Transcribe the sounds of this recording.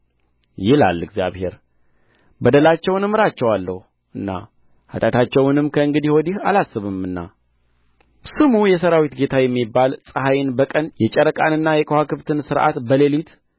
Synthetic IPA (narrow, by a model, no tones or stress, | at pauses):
jɪla̰lːɨɡzja̰βhe̞ɾ | bəd̪əlat͡ʃːɛwnɨmːɨɾat͡ʃːɛwalːəhu | ʔɨnːa̰ | hat̪ʼat̪ʰat͡ʃːɛwnɨmkʰəɨŋɡɨd̪ihwod̪iha̰lasːɨβɨmɨnːa̰ | sɨmujɛs̬əɾawit̪ɡe̞t̪ʰajɛmːibːalsʼəɦajnbəkʼənjɛt͡ʃʼɛɾəkʼanɨnːajɛkʼəhakɨβt̪ʰɨnsɨɾʔa̰t̪bəlelit̪